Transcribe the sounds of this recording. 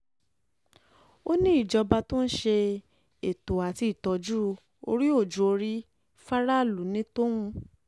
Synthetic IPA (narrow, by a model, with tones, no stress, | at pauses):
o˦nĩ˦i˦˨d͡ʒɔ˧ba˧to˦n̩˦ʃe˧ | e˨to˨a˨ti˧˨tɔ˨d͡ʒu˦˧ | o̰˧ɾi˦o˦˨d͡ʒu˨˦o˧ɾi˦ | fa˦ɾa˦˨lu˨˦nĩ˨˦to˦w̃ũ˧